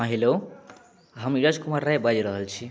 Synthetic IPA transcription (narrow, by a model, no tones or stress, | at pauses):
ʌɦelo | ɦʌmiɾad͡zkumarːajbad͡ʒiɾʌɦəlt͡sʰi